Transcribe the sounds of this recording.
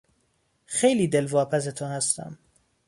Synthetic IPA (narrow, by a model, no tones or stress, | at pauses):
xejliːd̪e̞lvɒːpʰæs̬et̪ʰohæst̪æ̰m